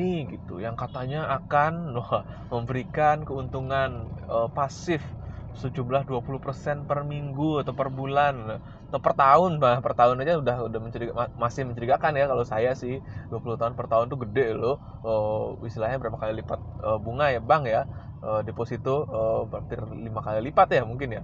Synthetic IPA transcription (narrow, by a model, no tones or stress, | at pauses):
nɪɡit̪ṵjaŋkat̪aɲaakanaməmbəɾikankəunt̪uŋanəpasɪfsəd͡ʒumlahduapuluhpərsɛnpərmiŋɡuat̪awpərbulana | at̪apərt̪aʊnbapərt̪aʊnad͡ʒasudahudaməɲt͡ʃəɾiɡaamasɪhməɲt͡ʃəɾikakanjakalosajasɪhduapuluht̪aʊnpərt̪aɦʊnt̪uɡədɛʔlo | əisilaɲabəɾapakalilipat̪̚əbuŋajabaŋja | ədeposit̪uəbat̪ɪrlimakalilipat̪jamuŋkɪnja